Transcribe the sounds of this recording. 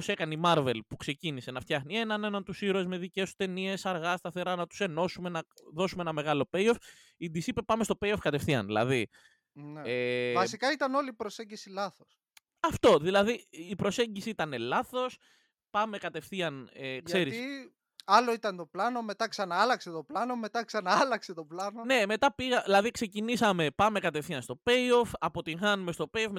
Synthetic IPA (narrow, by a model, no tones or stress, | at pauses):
ose̞kɐnimɐɾve̞lpukse̞cinise̞nɐft̪çɐxnienɐne̞nɐnt̪usiɾoezme̞ðice̞su̥t̪e̞nie̞sɐɾɣɐst̪ɐθe̞ɾɐnɐt̪u̥se̞no̞sume̞nɐðo̞sumeenɐme̞ɣɐlo̞pe̞jo̞f | id̪isipe̞pɐme̞st̪ope̞jo̞fkɐt̪e̞fθiɐ̰nðilɐ̰ði | nevɐsikɐit̪ɐno̞lipɾo̞se̞ɲɟisilɐθos | ɐft̪o̞ðilɐðiːpɾo̞se̞ɲɟisiit̪ɐne̞lɐθo̞s | pɐme̞kɐt̪e̞fθiɐneʝkse̞ɾissi | ɐlo̞it̪ɐnt̪o̞plɐno̞me̞t̪ɐksɐnɐɐlɐkset̪o̞plɐno̞me̞t̪ɐksɐnɐɐlɐkse̞t̪oplɐnone̞me̞t̪ɐpiɣɐilɐðikse̞cinisɐme̞pɐme̞kɐt̪efθiɐnst̪o̞pe̞jo̞fɐpo̞t̪iŋxɐnumest̪o̞pe̞jofme